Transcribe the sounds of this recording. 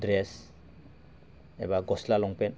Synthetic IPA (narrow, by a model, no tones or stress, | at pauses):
dɾes | ɛ̰baɡɔslalɔŋpɛn